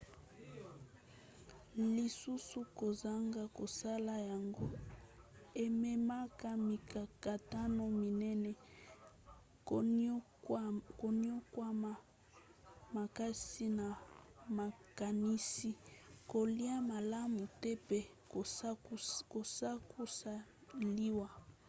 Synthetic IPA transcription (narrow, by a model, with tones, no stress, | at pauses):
li˨su˦su˦ko˨za˦ŋɡa˦ko˨sa˦la˦ja˨ŋɡo˦ | e˨mɛ˨ma˦ka˦mi˨ka˨ka˨ta˦no˦mi˨nɛ˦nɛ˦ | ko˨ni˦o˦kwa˦ma˨ | ma˨ka˦si˦na˨ma˨ka˨ni˦si˦ko˨li˦a˦ma˨la˦mu˨tɛ˦pɛ˦˨˦ | ko˨sa˦ku˦sa˦˨ | li˦wa˦